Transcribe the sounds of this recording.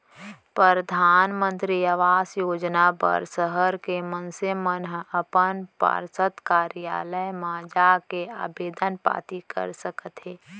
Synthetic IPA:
pɾəɾd̪ʱaːnmə̃nt̪ɾiəʋaːsjoːd͡ʒnapə̰ɾsəɦəɾkemənsemənɦəpənpa̰ɾsət̪kaːɾja̰ːləjmaːd͡ʒakeaːbeːd̪ənpa̰ːt̪ikə̰ɾsəkət̪ɦeː

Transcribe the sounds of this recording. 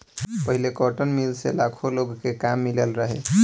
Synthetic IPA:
pəɦilekɔʈənmilselakʰoloɡkekamːilelɾəɦɛ

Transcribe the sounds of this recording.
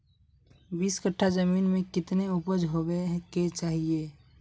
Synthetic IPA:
biːskəʈʰːazəmiːnmẽkɪt̪neʊpəd͡ʒɦobeket͡ʃaːɦieː

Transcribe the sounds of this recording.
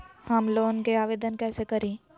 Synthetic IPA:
hɐmloːnkeaːʋeːd̪ənkɛːsekɐɾĩː

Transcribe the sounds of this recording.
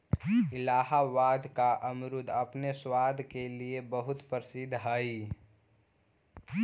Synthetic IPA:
ɪlaːɦaʋaːd̪ʱkaʔəmɾʊd̪ʱəpneswaːd̪ʱkeliebəɦʊt̪pəɾsɪd̪ʱːɦəi

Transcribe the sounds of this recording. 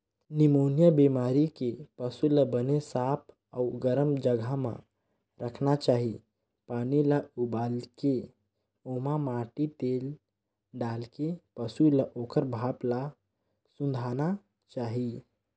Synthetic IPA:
nimoːnijabimaːɾikepəsuləbənesap̚ʰ | əuɡəɾəmd͡ʒəɡʱamã̰ | ɾəkʰnat͡ʃaːɦi | paːnilaubaːlke | omãmaːʈit̪eːl | ɖaːlkepəsulaʔoːkəɾbʱaːpla | sũnd̪ʱana | t͡ʃaːɦi

